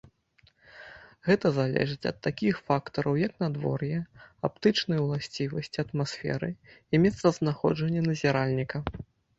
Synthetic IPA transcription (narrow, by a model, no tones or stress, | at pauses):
ɣɛt̪ɐzalʲɛ̰ʐɨt͡sʲɐ̰t̪ːakʲixfakt̪ɐɾɐwjɐknad̪vɔ̰rjɛap̚t̪ɨt͡ʂnɐjwlˠasʲt͡sʲivɐsʲt͡sʲiɐt̪masfʲɛ̰ɾɨimʲɛt̪sɐznaxɔ̰d͡ʐɐnʲːɐnɐzʲɛɾalʲnʲikɐ